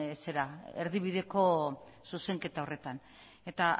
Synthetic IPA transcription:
se̞ɾaeɾðiβiðe̞ko̞ | suseŋke̞t̪ao̞re̞t̪an | e̞t̪a

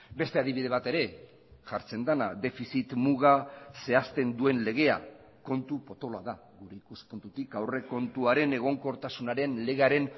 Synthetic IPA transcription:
be̞st̪e̞aðiβiðe̞β̞at̪e̞ɾe̞ | ʝaɾt͡se̞nd̪ana̰d̪e̞fisit̪muɣ̞ase̞ast̪e̞nd̪ue̞nle̞ɣ̞e̞a̰ | ko̞nt̪upo̞t̪o̞laðaɣuɾe̞ikuspont̪ut̪ikawre̞ko̞nt̪uaɾe̞ne̞ɣ̞o̞ŋko̞ɾt̪asunaɾe̞nle̞ɣe̞aɾe̞n

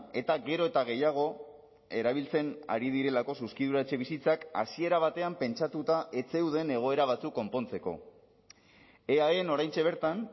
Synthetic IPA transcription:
e̞t̪aɣe̞ɾo̞e̞t̪aɣ̞e̞jaɣ̞o̞ | e̞ɾaβ̞ilt͡se̞na̰ɾiðiɾe̞lako̞suskiðuɾat͡ʃe̞β̞isit͡saka̰sie̞ɾaβ̞at̪e̞ampe̞nt͡ʃat̪ut̪aʔe̞t͡se̞wðe̞ne̞ɣ̞o̞e̞ɾaβ̞at͡sukːo̞mpo̞nt͡se̞ko̞̰ | eaeno̞ɾajnt͡ʃe̞β̞e̞ɾt̪an

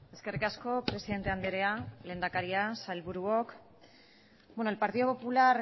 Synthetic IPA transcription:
e̞ske̞rikasko̞pɾe̞siðe̞nt̪e̞and̪eɾeale̞ːnd̪akaɾiasajlβuɾuok | bwenoelpaɾt̪iðo̞po̞pulaɾ

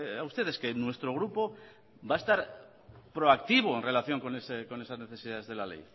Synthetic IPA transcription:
aust̪e̞ð̞e̞ske̞nwe̞st̪ɾo̞ɣ̞ɾupo̞ | bae̞st̪aɾ | pɾo̞akt̪iβ̞o̞enre̞laθjo̞ŋko̞neseko̞ne̞sazne̞θe̞siðaðe̞zð̞e̞lale̞̰j

